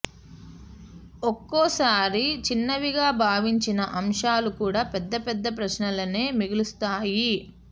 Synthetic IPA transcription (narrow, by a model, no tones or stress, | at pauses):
okːɔːsaːɾit͡ʃinːɐʋiɡaːbʱaːʋiɲt͡ʃinɐʔɐmʂaːlukuːɽaːpɛd̪ːɐpɛd̪ːɐp̬ɾɐʃnɐlɐneːmiɡulust̪aːji